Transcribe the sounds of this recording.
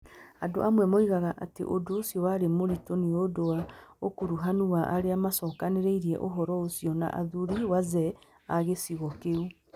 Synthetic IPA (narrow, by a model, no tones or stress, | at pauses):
ado̰ʔamwɛmoiɣaɣaʔatḛʔodoosjɔwaɾemoɾitoniodowaokoɾuɦanuwaʔaɾeamasɔːkaneɾeiɾiɛ̰ʔoɦɔɾɔosjɔna̰ʔa̰ðuɾiwazɛ | aɣesiɣɔkeu